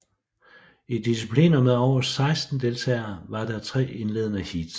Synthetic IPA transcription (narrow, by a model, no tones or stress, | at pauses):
id̥isipʰlḛːnɐmeðˠɒ̰ɐssɑ̈ɪsd̥n̩d̥e̝lt͡sʰɛ̰ːɐʋɑ̈d̥ɑ̈t͡sʰʁɛ̰ːe̝nle̝̰ːðˠnæhid̥